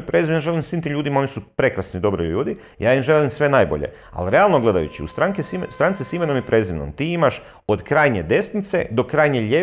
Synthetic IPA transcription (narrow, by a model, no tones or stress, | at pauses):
pɾezimnjaʒe̞limsʋimt̪iːmʎuːd̪imao̞nisupɾe̞kɾasnid̪o̞bɾḭʎuːd̪i | jaːimʒelimsʋe̞naːjbo̞̰ʎḛ | a̰liɾe̞alˠno̞ɡle̞d̪a̰jṵt͡ɕiṵst̪ɾaŋkisst̪ɾant̪sisimenomjepɾʔeziʋno̰mt̪iːimaʃ | od̪kɾaːjɲe̞d̪e̞snit̪se̞̰d̪o̞kɾaːjɲe̞ʎe